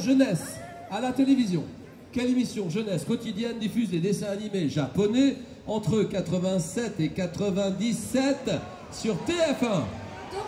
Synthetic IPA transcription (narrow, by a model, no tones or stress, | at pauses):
ʒənɛs | alat̪elevizjɔ̰̃ | kʲɛlemisjɔ̃ʒənɛskɔt̪id̪jɛnd̪ifyzled̪esɛ̃animeʒapɔnɛ | ɑ̃t̪χəkat̪χəvɛ̃sɛt̪ekat̪χəvɛ̃d̪isɛt̪ | syʁt̪eɛfɛ̃